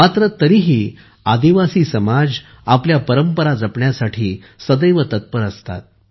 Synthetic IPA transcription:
mat̪ɾət̪əɾiɦiː | ad̪iʋasiːsəmad͡z | apljapəɾəmpəɾad͡zəpɳjasaʈʰiː | səd̪əjʋət̪ət̪̚pəɾəst̪a̰t̪̚

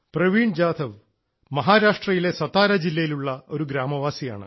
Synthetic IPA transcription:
prɐʋiːɳd͡ʑaːd̪ʰʱɐʋ | mɐɦaːɾaːʂʈrɐjile̞sɐt̪ːaːɾɐd͡ʑilːɐjiluɭːɐo̞ɾuɡɾaːmɐʋaːsija̰ːɳɨ̰

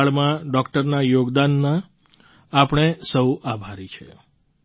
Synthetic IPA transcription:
ɭmãɖɔkʈəɾnajoɡd̪anːã | apɳ̃esəwabʱaɾit͡ʃʰḛ

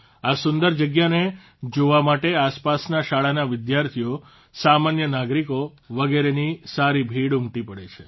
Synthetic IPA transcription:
asʊnd̪əɾd͡ʒəɡjane | d͡ʒoʋamaʈeaspasnaʃaɭanaʋɪd̪jaɾt̪ʰijo | samanjənaɡɾiko | ʋəɡeɾenisaɾibʱiɽumʈipəɽet͡ʃʰe

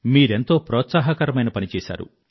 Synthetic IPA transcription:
miːɾent̪o̞ːpɾɔːt̪saːɦɐkɐɾɐmɐjnɐpɐnit͡ʃɛːsa̰ːɾṵ

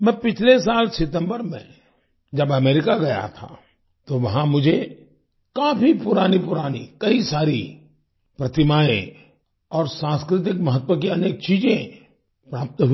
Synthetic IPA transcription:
mɛ̃ːpɪt͡ʃʰles̬aːlsɪt̪ə̃mbəɾmḛ̃ | d͡ʒɐbɐmeːɾɪkaɡɐja̰t̪ʰa̰ | t̪oʋɐɦãmʊd͡ʒʱe | kaːpʰipʊɾaːnipʊɾaːnḭkɐisaːɾi | pɾɐt̪ɪmaːḛ̃ | ɔːɾsãːnskɾɪt̪̬ɪkmɐɦət̪wək̬iɐneːk̚t͡ʃiːd͡ʒẽ | pɾaːp̚t̪ɦʊ

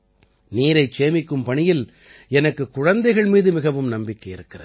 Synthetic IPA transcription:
niːɾɐɪt͡ʃeːmɪkːɯmpɐɳɪjɪl | ɛnɐkːɯkːʊɻɐnd̪ɐɪɣɐɭmiːðɯmɪɣɐʋɯmnɐmbɪkːɐjɪɾɯkːɪrɐð

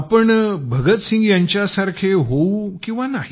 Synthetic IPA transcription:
pəɳbʱəɡət̪sĩŋɡjaɲt͡ɕjasaɾkʰeɦoukĩw̃ʋanaɦ

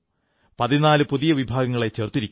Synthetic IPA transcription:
pɐðinaːlɨpuðijɐʋibʱaːɡɐŋːɐɭet͡ɕe̞rt̪ːiɾikʲː

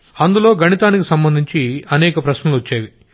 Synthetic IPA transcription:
ɐnd̪ulo̞ːɡɐnit̪aːnikisɐmbɐnd̪ʱiɲt͡ʃiɐnɛːkɐpɾɐʃnɐluʋɐt͡ʃːaːʋi

